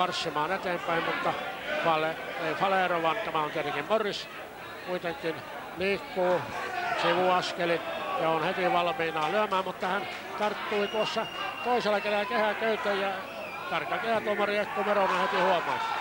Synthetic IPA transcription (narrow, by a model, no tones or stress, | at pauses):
ɑrsːimɑːnet̪eːmpæimmut̪ːɑfɑleeifɑleːroʋɑnt̪æmæont̪iet̪eŋkimmoris | kuit̪eŋkin | liːkːuːsiʋuɑskelit̪seonhet̪iʋɑlmiːnɑːlyæmæːmmut̪ːɑhæn | t̪ɑrt̪ːuit̪uosːɑt̪oiselːˑɑkelælækehækøyt̪ejjɑ | t̪ɑrkːɑkehæt̪uomɑriekːumeronehet̪ihuomoi